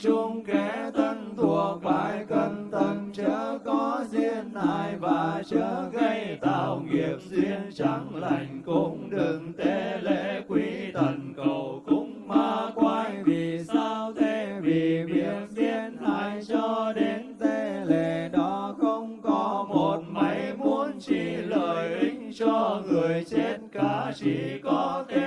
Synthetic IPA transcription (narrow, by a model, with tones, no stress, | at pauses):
t͡ɕʊ˧ŋ͡mkɛ˨˦t̪ə˧nt̪ʰu˨˩ək̚vaː˧˩jkə˧nt̪ʰə˧˩nt͡ɕəː˨˦kɔ˨˦zi˧ənʔaː˧˨˩jvaː˨˩t͡ɕəː˨˦ɣə˧jt̪a̰ː˨˩wŋi˨˩əp̚zi˧ənt͡ɕa˨˧˦ŋla˨˩jŋ̟kʊ˧˩ŋ͡mɗɨ˨˩ŋt̪e˧˦le˧˨˩kwi˧t̪ʰə˨˩nkə˨˩wkʊ˧˦˥ŋ͡mmaː˧kwaː˧jvi˨˩saː˧wt̪ʰe˧vi˨˩mḭ˧˥ənzɛ˧˥˧nʔaː˧jt͡ɕɔ˧ɗe˨˦nt̪e˧le˧˨˩ɗɔ˨˦xə˧wŋ͡mkɔ˨˦mo˨˩t̚ma˨˦jmu˨˧ənt͡ɕi˧˨˩ləː˨˩jʔï˧ŋ̟t͡ɕɔ˧ŋɨ˨˩əjt͡ɕe˧nkaː˧˨˩t͡ɕi˧˩kɔ˨˦t̪ʰ